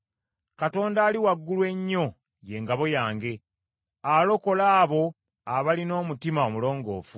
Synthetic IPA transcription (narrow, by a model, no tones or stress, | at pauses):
kato̞ːndaːliwaɡːulwe̞ɲːo̞ | je̞ːŋɡaβo̞jaːŋɡe̞ | alo̞ko̞laːβo̞ | aβalino̞ːmutimaomulo̞ːŋɡo̞̰ːfu